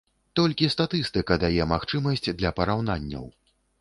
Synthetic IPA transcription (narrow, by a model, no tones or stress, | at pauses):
t̪ɔlʲkʲist̪at̪ɨst̪ɨkɐd̪ajɛmaxt͡ʂɨmɐsʲt͡sʲd̪lʲɐpɐɾawnanʲːɐ̰w